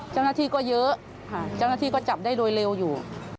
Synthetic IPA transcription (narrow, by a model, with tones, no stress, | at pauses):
t͡ɕaː˥˩wnaː˥˩t̪ʰiː˥˩kɔː˥˩jɤ˦˥ | a˧˩t͡ɕaː˥˩wnaː˥˩iː˧˩kɔː˥˩t͡ɕa˨˩p̚daː˥˩jdoː˧jle˧wjuː˨˩